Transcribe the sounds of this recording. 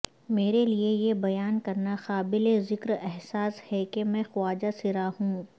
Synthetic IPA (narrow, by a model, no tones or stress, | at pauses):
meːɾeliejebɐjaːnkɐɾnaxaːbɪlezɪkɾɛɦsaːshɛkemɛ̃ːxʊaːd͡ʒasɪɾaɦũː